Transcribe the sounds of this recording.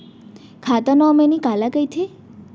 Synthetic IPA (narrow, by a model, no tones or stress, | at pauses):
kʰat̪ənɔmenikalakəjt̪ʰe